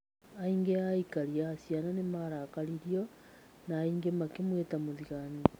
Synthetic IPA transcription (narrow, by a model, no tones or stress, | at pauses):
aiŋɡeaikaɾiaːsjananemaɾakaɾiɾjo | naːiŋɡemakemwetamoðiɣani